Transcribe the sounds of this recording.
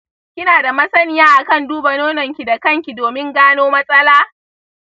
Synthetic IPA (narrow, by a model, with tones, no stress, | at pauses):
kʲɪ˦naː˨da˨mɐ˦sɐ˦nɪ˦jaː˦ʔa˨kɐ˦˨nduː˦bɐ˨noː˦nɐ˨ŋkʲi˨da˨kɐ˦˨ŋkʲi˨doː˨mɪ˦ŋɡaː˦noː˦mɐ˦sʼɐ˦laː˦